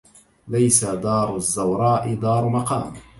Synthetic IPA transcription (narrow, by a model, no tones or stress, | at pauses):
lajsad̪ɑːɾˤʊzːawɾˤɑːʔɪd̪ɑːɾˤmɑqɑːm